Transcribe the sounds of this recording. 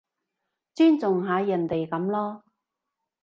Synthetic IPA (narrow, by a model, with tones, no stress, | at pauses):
t͡syː˥nt͡sʊ˨˩ŋɦaː˨˧jɐ˨˩nt̪e˨jkɐ˨˥mlɔː˥